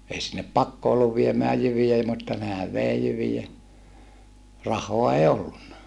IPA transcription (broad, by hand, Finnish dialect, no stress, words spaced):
ei sinːep pɑkːo olːuʋ ʋiemæː jyʋij ei mutːɑ nehæʋ ʋeˑi jyʋijæ rɑhˑoɑ eˑi olːunːɑ